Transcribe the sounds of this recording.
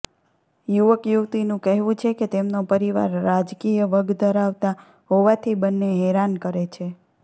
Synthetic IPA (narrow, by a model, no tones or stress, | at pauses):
juʋəkjuʋt̪inũkəɦʋũt͡ʃʰeket̪emnopəɾiʋa̰ɾːad͡ʒkijəʋəɡd̪ʱəɾaʋt̪a | ɦoʋat̪ʰibənːeɦɛɾankəɾet͡ʃʰe